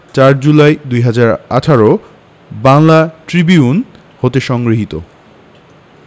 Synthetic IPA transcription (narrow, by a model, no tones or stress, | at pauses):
t͡ɕaɾd͡ʑulaed̪ujɦad͡ʑaɾaʈʰaɾo | baŋlaʈɾibiun | hot̪eʃɔŋɡɾiɦit̪o̰